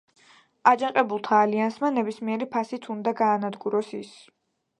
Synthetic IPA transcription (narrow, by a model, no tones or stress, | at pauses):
ad͡ʒaqʼɛbulˠt̪ʰaːliansmanɛbismiɛɾipʰasit̪ʰund̪aɡaːnad̪ɡuɾɔsis